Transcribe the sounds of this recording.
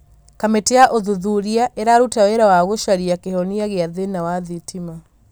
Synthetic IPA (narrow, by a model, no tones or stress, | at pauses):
kameteaʔoðuðuɾiaʔeɾaɾutawɛɾawaɣoʃaɾiakehɔniaɣeaðenawaðitima